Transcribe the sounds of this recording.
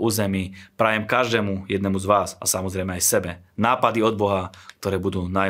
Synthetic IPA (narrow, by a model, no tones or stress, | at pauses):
uːzɛmiːpɾajɛmkaʒd̪ɛːmujɛd̪nɛmuzʋaːsa̰samɔzɾɛjmɛajsɛbɛnaːpad̪iɔd̪̚bɔɦak̚t̪ɔɾɛːbud̪uːna